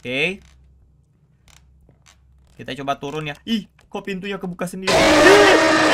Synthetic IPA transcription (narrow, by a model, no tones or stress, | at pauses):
ke | kit̪at͡ʃobat̪uɾʊnjaih | kaopint̪uɲakəbukasəndiɾi